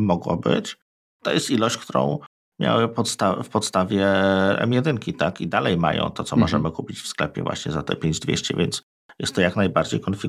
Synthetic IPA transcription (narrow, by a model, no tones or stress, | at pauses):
mɔɡwɔ̰bɘ̰t͡ɕ | t̪ɔjɛst̪ilɔɕt͡ɕk̚t̪uɾɔ̰̃w̃ | mʲja̰wɘpɔt̪st̪a̰fpɔt̪st̪avʲjɛɛ̰mjɛd̪ɘŋkʲit̪akid̪alɛjma̰jɔ̰̃w̃t̪ɔt̪sɔmɔʐɛmɘkupʲit͡ɕfsklɛpʲjɛ̰vwa̰ɕɲɛzat̪ɛpʲjeɲd͡ʑd̪vʲḛɕt͡ɕɛ̰vʲjɛns | jɛ̰st̪ːɔjaknajbaɾd͡ʑḛjkɔnfʲi